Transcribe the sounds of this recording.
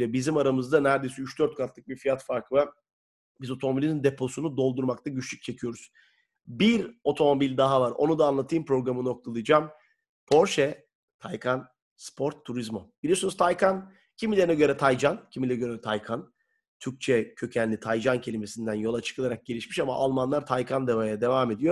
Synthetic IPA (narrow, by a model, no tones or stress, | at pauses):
lʲɛbizimaɾamɯzd̪anæɾd̪e̞jsiyt͡ʃd̪øɾt̪̚kʰat̪lˠɯk̚bifijat̪faɾkɯva | bizo̞t̪ʰomo̞bilʲinind̪e̞pʰo̞sunud̪o̞lˠd̪uɾmak̚t̪ʰaɟyt͡ʃlʲyc̚t͡ʃʰecʰijo̞ɾuz̥ | biɾo̞t̪ʰo̞mo̞bilʲd̪aɦavaɾo̞̰nud̪aːnlˠat̪ʰɯːmpɾo̞ɡɾamɯno̞k̚t̪ʰalˠɯjd͡ʒaːm | pʰo̞ɾʃɛ | t̪ʰajkʰan | spʰo̞ɾt̪ʰːuɾizmobilʲijosnuzt̪ʰajkʰan | cʰimilʲeɾnɛɟø̞ɾɛt̪ʰajd͡ʒancʰimilʲɛɛɟø̞ɾɛt̪ʰajkʰan | t̪ʰyɾc̚t͡ʃʰɛcʰø̞cʰænlʲit̪ʰajd͡ʒancʰe̞lʲime̞sind̪ænjo̞lˠat͡ʃʰɯ̥kʰɯlˠaɾak̚ɟ̥e̞lʲiʃmiʃama̰ʔalˠmanlˠaɾt̪ʰajkʰand̪evajad̪e̞vaːme̞d̪ijo